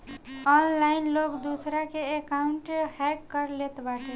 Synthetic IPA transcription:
ɔnlainlokd̪usɾakeekauɳʈhɛkːəɾlet̪baʈe

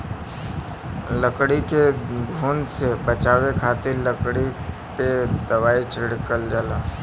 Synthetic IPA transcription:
ləkɽikeɡʱoːnsebət͡ʃaːwekʰaːt̪iləkɽi | ped̪ɐwaːit͡ʃʰɪɽkəld͡ʒaːlaː

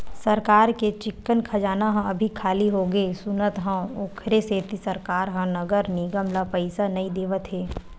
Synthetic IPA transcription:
sɐɾkaːɾket͡ʃɪkːənkʰɐd͡ʒaːnaɦə̃ɐbʱikʰaːliɦoːɡeːsʊnət̪ɦə̃oːkʰɾeseːt̪isɐɾkaːɾɦə̃nɐɡəɾniːɡəmlapəɪsanɐĩd̪eːʋət̪ɦeː

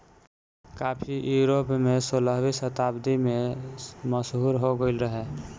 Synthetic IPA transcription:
kaːpʰijuɾopmesoləɦbisət̪aːbd̪imẽməsɦuɾɦoɡəɪlɾəɦɛ

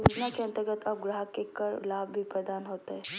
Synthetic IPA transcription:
ʋɪd͡ʒnakeɐ̃nt̪əɾɡət̪ʰɐb̚ɡɾaɦəkekəɾlaːbbʱipɾəd̪aːnɦoːt̪aɦɛː

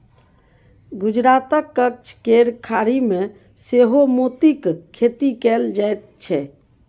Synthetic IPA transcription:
ɡud͡ʒɾat̪əkːək̚t͡ʃʰkeɾkʰaɾime | seɦomot̪ikkʰːet̪ikɛld͡ʒajt̪̚t͡ʃʰɛ

